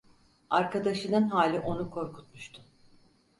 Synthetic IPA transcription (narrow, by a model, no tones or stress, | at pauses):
aɾkad̪aʃɯnɯnɦaːlʲiʔo̞nukʰo̞ɾkʰu̥t̪̚muʃt̪ʰʊ̥